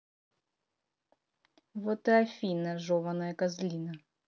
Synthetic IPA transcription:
vɔt̪ɨɐfʲinɐʐɔvɐnɐjɐkɐzlʲinɐ

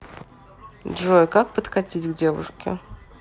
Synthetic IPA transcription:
d̪ʐojkak̚pət̪kɐtʲitʲɡdʲe̞vʊ̰ʂkʲɪ̰

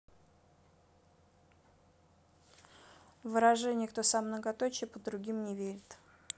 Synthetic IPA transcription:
vɨɾaʐɨnʲɪkt̪osamnəɡɐt̪ot͡ɕɪpəd̪ɾʊɡʲimnʲɪvʲeɾʲɪt̪

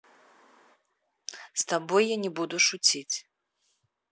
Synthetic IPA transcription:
st̪abɔjːanʲɛbud̪uʂut͡sʲit͡sʲ

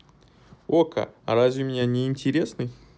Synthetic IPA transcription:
okʰa̰ɾazʲvʲɪmʲɪnʲanʲɪːnʲtʲɪɾʲesnɨj

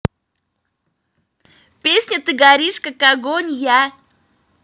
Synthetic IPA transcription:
pʲesʲnʲət̪ɨɡɐɾʲiʂkakaɡonʲja

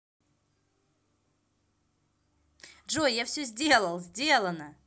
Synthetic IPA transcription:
ʐojjafsʲozʲdʲelˠəlˠzʲdʲelˠənə

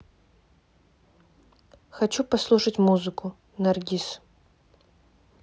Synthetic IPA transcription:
xɐt͡ʃupɐslˠuʂɐtʲmuzɨkʊ | nɐrɡʲis

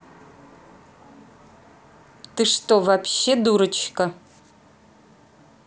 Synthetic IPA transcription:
tɨʂtʼovapʰʃeduɾɨt͡ʃʰkʼɐ

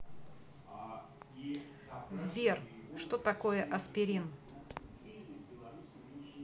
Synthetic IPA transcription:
zbʲerʂt̪ot̪ɐkojəʔɐspʲɪɾʲin

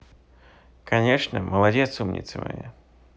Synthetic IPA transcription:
kɐnʲeʂnəməlˠadʲet̪sumnʲḭt̪sɨmɐ̰jḛ

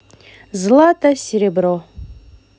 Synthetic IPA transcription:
zlat̪ʰʼasʲeɾʲebro

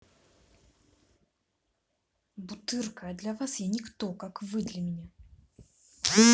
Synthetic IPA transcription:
but̪ɨrkəd̪lʲɐvasjanʲɪkt̪ɔkakvɨd̪lʲɐmʲɪnʲa

